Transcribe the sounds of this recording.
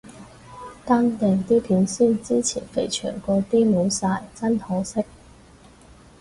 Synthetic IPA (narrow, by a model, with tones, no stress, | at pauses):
t̪aː˥nt̪ɛː˨˧ŋt̪iː˥pʰiː˨˥nsyː˥nt͡siː˥t͡sʰḭː˨˩nfe˨˩jt͡ʃʰœ̰ː˨˩ŋkɔː˧t̪iː˥mo˨˧˥wsaː˧jt͡sɐ˥nhɔː˨˥sɪ˥k̚